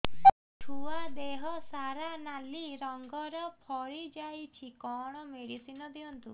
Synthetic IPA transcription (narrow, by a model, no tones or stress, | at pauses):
ʈʰuad̪eɦɔsaɾanaliɾɔŋɡɔɾɔpʰɔɭid͡ʒajt͡ʃʰikɔɽ̃ɔmeɽisinɔd̪iɔnt̪ṵ